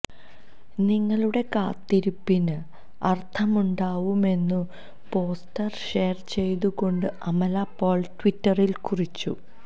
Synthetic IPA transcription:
niŋːɐɭuɽe̞kaːt̪ːiɾupːinɨ | ɐrt̪ʰɐmuɳɖaːʋume̞nːu | po̞ːstɐrʂe̞ːrt͡ɕe̞jt̪uɣo̞ɳɖɨɐmɐlapːo̞ːɭʈʋitːɐrilkurit͡ɕːṵ

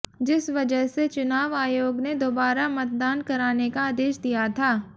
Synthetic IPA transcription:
d͡ʒɪsʋɐd͡ʒəɦset͡ʃʊnaːʋaːjoːɡned̪oːbaːɾamɐt̪̚d̪aːnkɐɾaːnekaaːd̪eːʃd̪ijat̪ʰaː

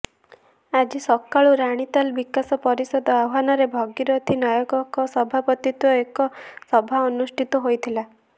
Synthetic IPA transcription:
ad͡ʒisɔkaɭuɾaɽ̃it̪albikasɔpɔɾisɔd̪ʱɔawɦanɔɾebʱɔɡiɾɔt̪ʰinajɔɡɔkɔsɔbʱapɔt̪it̪wɔekɔsɔbʱaɔnusʈʰit̪ɔɦojt̪ʰila

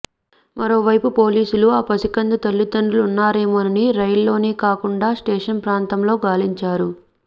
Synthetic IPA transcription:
mɐɾo̞ːʋɐjpupo̞ːliːsuluaːpɐsikɐnd̪it̪ɐlːud̪ɐɳɖulunːaːɾeːmɐniniɾɐjlːo̞ːneːkaːkuɳɖaːsʈeːʂɐnpɾaːnt̪ɐmlo̞ːɡaːliɲt͡ʃaːɾu

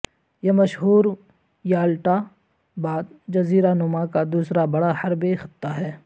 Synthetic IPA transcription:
jemɐʃɦuːɾ | jaːlʈa | baːd̪̚d͡ʒɐziːɾanʊmãkad̪uːsɾabɐɽahɐɾbexɪt̪ːaɦɛː

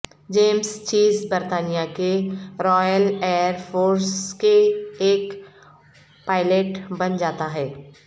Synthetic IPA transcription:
d͡ʒeːmst͡ʃiːzbəɾt̪aːnijakeɾɔːjəleːəɾpʰoːɾskeeːk | paːɪleʈbɐnd͡ʒaːt̪aɦɛː

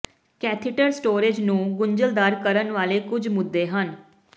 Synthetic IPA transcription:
kɛːt̪ʰɪʈəɾsʈoːɾed͡ʒnũːɡʊɲd͡ʒəld̪aːɾkəɾənʋaːleːkʊd͡ʒmʊd̪ːeːɦən

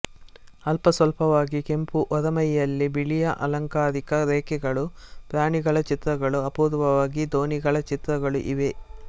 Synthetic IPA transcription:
ɐlpɐsʋɐlpɐʋaːɡike̞mpuʔɔɾɐmɐjːɐlːibiɭijɐʔɐ̰lɐŋkaːɾikɐɾeːkɛɡɐɭupɾaːɳiɡɐɭɐt͡ʃit̪ɾɐɡɐɭuɐpuːɾʋɐʋaːɡid̪o̞ːniɡɐɭɐt͡ʃit̪ɾɐɡɐɭṵʔiʋe

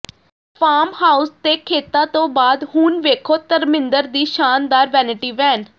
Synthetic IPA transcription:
pʰaːmhaːʊst̪eːkʰeːt̪ãːt̪õːbaːd̪ɦuːnʋeːkʰoːt̪əɾmɪ̃nd̪əɾd̪iːʃaːnd̪aːɾʋɛːnɪʈiːʋɛːn

